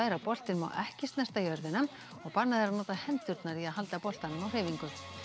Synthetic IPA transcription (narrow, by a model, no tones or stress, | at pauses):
ɪɾapɔl̥t̪ɪnma̰wʔɛhcɪst̪nɛst̪ajœɾðɪnam | ɔɣpaɾnaðɪɾanɔːt̪ahɛnt̪ʏɾt̪naɾiaðɦal̪t̪apɔl̥t̪anʏmawr̥eːviŋkʏ